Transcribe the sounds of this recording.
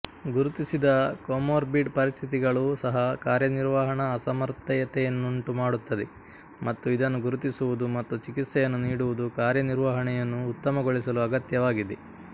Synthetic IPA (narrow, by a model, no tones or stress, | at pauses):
ɡuɾut̪isid̪ɐkomoːɾbiʈpɐɾist̪ʰit̪iɡɐɭuːsɐɦɐkaːɾjɐniɾʋɐɦɐɳɐːsɐmɐɾt̪ɐjɐt̪ɛjɐnːuɳʈumaːɽut̪ːɐd̪e | mɐt̪ːuid̪ɐnːuɡuɾut̪isuʋud̪umɐt̪ːut͡ʃikit̪sɐjɐnːuniːɽuʋud̪ukaːɾjɐniɾʋɐɦɐɳɛjɐnːuːt̪ːɐmɐɡoɭisɐluɐɡɐt̪jɐʋaːɡid̪e